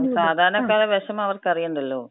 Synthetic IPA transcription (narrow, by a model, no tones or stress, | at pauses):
saːd̪ʱaːɾɐnɐkːaːɭeʋɐʂɐmɐʋɐrkɐrijuɳɖilːoː